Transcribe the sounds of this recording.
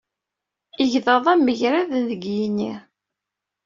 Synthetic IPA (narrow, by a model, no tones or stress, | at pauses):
iʝðəðˤæmːəçɾæðnðəɡjini